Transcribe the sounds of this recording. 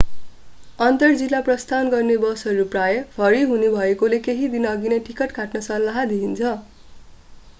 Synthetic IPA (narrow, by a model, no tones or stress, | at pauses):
ʌnt̪ʌrd͡zilːaprʌst̪anɡʌrnebʌsʌɾuprajʌbʰʱʌɾiɦunibʱʌekolekeɦid̪inʌɡinajʈikʌʈkaʈnʌsʌlːaɦʌd̪iɦint͡sʰʌ